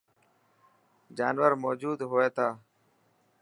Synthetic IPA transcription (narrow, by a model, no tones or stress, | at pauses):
d͡ʒaːnʋəɾmoːd͡ʒuːd̪ɦoːeːt̪ʰaː